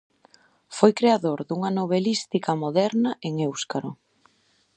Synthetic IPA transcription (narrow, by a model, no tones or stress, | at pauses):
fojkɾeaðoɾðuŋɐnoβ̞elist̪ikɐmoðɛɾnɐeŋewskaɾo